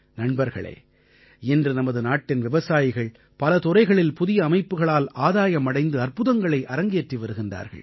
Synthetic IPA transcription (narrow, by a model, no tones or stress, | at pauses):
nɐɳbɐɾɣɐ̰ɭḛː | ɛndrɯnɐmɐðɯnaːʈːɪnʋɪʋɐsaːjɪɣɐɭ | pɐlɐt̪ɔrɐɪɣɐɭɪlpʊðɪjɐːmɐɪpːɯɣɐɭaːlaːðaːjɐmːɐɽɐɪnd̪ɯɐrpɯðɐŋɡɐɭɐɪʔɐɾɐŋɡeːʈriʋɐɾɯɣɪnda̰ːɾɣɐ̰ɭ